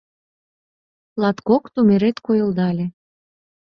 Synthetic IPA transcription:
lɑt̪kokt̪umeɾet̪kojɤ̆ld̪ɑlʲe

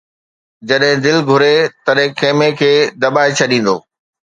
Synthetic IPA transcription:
d͡ʑɐɗɦɪ̃d̪ɪlɡʱʊɾet̪ɐɗɦɪ̃kʰeːmekʰeːd̪ɐɓaːet͡ɕʰɐɗĩːn̆d̪oː

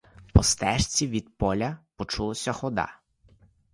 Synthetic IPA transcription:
pɔst̪ɛʃt͡sʲiʋʲid̪pɔlʲɐpɔt͡ʃulˠɔsʲɐxɔd̪ɑ̰

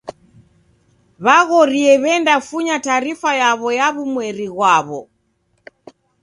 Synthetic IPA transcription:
βaɣɔɾiɛβɛndafuɲataɾifajaβɔjaβumwɛɾiɣwaβɔ

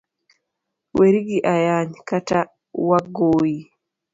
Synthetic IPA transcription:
weɾiɡiʔajaɲkata | waɡoːji

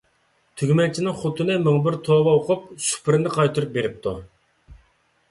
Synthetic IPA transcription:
t̪ʰyɡʲmɛnt͡ʃʰinɪŋχʊt̪ʰɨnɨmøŋbɪɾt̪ʰoːbɑoqʰʊp̚sy̥pʰɾɪnɪqʰɑjt̪ʰuɾup̚beɾɪp̚t̪ʰu

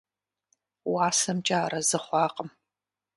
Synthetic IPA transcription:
waːsɐmt͡ʃʼaːrɐzɨχʷɑːqʼəm

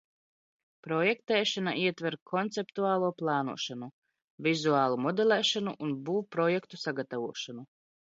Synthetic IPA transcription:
pɾɔjɛkt̪ɛːʃana̰ʔiɛt̪vɛɾkʰɔnt̪sɛpt̪uaːlˠuːplˠɑːnṵɔʃanu | vizuaːlˠumɔd̪ɛlɛːʃanuʔunbuːpɾɔjɛkt̪usaɡat̪avuɔʃanu

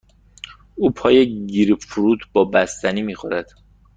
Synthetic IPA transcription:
uːpʰɒːjeɟiːɾefuɾuːt̪ʰbɒːbæst̪æniːmiːxoɾæd̪̥

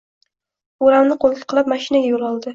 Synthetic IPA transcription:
oɾamnɪqʰolˠkʲʰɪ̥qʰɨlˠap̚maʃɪnaɡʲajolˠɒlˠd̪ɪ

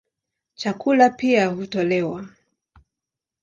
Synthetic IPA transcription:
t͡ʃakulapiahutɔlɛwa

